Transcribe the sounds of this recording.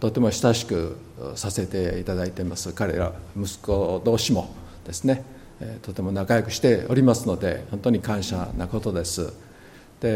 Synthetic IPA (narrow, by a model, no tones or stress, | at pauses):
t̪o̞t̪ːe̞mo̞ɕi̥t̪aɕi̥kɯ̟ | sase̞t̪e̞it̪ad̪ait̪eimasɨkaɾe̞ɾa̰mɯ̟sɨ̥ko̞d̪o̞ːɕimo̞ | d̪̥e̞sɨne̞ | t̪ot̪ːe̞mo̞nakajokɯ̟ɕi̥t̪e̞o̞ɾʲimasɨno̞d̪e̞̰ho̞nt̪o̞ɲ̟ikãɰ̃ɕa̰nako̞t̪o̞d̪e̞sɨ̰ | d̪̥e̞